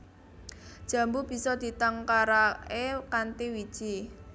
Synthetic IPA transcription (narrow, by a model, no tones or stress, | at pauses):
d̥ʒ̥a̤mbub̥i̤sɔd̪̥i̤t̪aŋkaɾaekant̪iwi̥ʒ̥i